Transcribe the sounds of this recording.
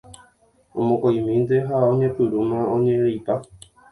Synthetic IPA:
õmõkajmĩnd̪eɦaõɲẽpɨɾumãõɲẽɾipa

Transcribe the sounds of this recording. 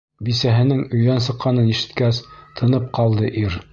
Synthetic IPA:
bisæɦɘ̆nɘŋɵ̆jðænsɤ̆qːɑnɤniʃɘ̆t̪kæst̪ʰɤ̆nɤp̚qɑlˠd̪ɤʔiɾ

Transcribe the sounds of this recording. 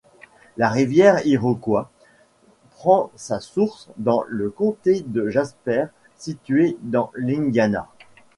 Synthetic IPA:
laʁivjɛʁiʁokwa | pχɑ̃sasuʁsd̪ɑ̃ləkɔ̃t̪ed̪əʒaspɛːʁ | sit̪ɥed̪ɑ̃lĩŋɡana̰

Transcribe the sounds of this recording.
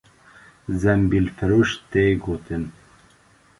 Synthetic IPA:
zɛmbilfɨɾuːʃt̪eːɡot̪ʰɨn

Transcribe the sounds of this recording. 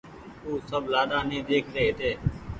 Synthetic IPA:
uːsəblaːɗãːnĩːd̪eːkʰɾeːɦt̪eː

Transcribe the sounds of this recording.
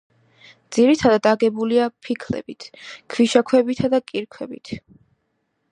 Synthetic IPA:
d̪z̥iɾit̪ʰad̪ad̪aɡɛbuliapʰikʰlɛ̰bit̪ʰkʰwiʃakʰwɛbit̪ʰad̪akʼiɾkʰwɛbḭt̪ʰ

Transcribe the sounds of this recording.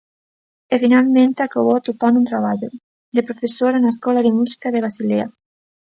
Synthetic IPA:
efinalmẽnt̪eakaβoat̪opanunt̪ɾaβaʎo | d̪epɾofesoɾanaeskɔlaðemusi̥kaðeβɾasilea

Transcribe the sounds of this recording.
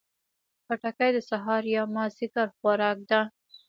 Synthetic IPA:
paʈakajd̪əsaɦɑɾjɑmɑzɪkaɾxwaɾɑk̚d̪a

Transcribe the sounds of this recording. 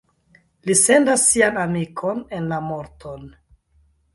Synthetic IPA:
lise̞ndasːianamikʰo̞nenlamo̞ɾton

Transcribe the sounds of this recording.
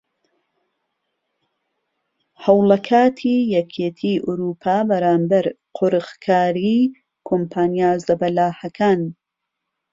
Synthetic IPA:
hɐwlɐkʰaːt̪ʰiːjɛkʰet̪ʰiːʔʊɾupʰaːbɐɾaːmbɐɾ | qʰoɾɨxkʰaːɾi | kʰompʰaːnijaːzɐbɐlaːhɐkʰaːn

